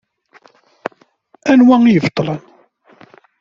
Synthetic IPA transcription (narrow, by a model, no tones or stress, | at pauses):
ænwæijəvt̪ˤːlən